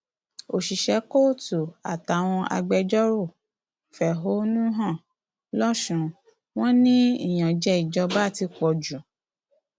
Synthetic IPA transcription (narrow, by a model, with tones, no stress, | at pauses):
o˨ʃi˨ʃɛ˨˧˦ko˦˨tu˨a˨ta˨w̃ɔ̃˧ʔa̰˧ɡ͡bɛ˧d͡ʒɔ˦ɾu˦˨ | fɛ˨ɦo˨˦nũ˦ɦã˦˨ | lɔ˦ʃũ˨˧ | w̃ɔ̃˦nĩ˦ḭ˦˨j̃ã˨d͡ʒɛ˧˦i˨d͡ʒɔ˧ba˦˨ti˧kɔ˨d͡ʒu˨